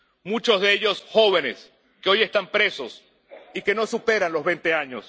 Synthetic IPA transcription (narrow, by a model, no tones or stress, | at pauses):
mut͡ʃozðeeʝo̞sxo̞β̞e̞ne̞s | keo̞je̞st̪ampɾe̞so̞s | ike̞no̞supe̞ɾanlo̞zβe̞nt̪e̞aɲo̞s